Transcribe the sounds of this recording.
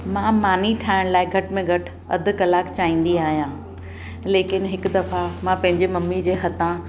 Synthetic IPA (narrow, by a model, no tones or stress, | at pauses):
mãːmaːniʈʰaːɪɽ̃laːɪɡʱɐʈmẽɡʱɐʈʰ | ɐ̰d̪ʱʊ̆kɐlaːkt͡ɕaːĩːn̆d̪iaːɦijãː | leːkɪnɦɪkd̪ɐfamãpɐ̃ɦɪ̃ɲd͡ʑemɐmːid͡ʑeːɦɐt̪ã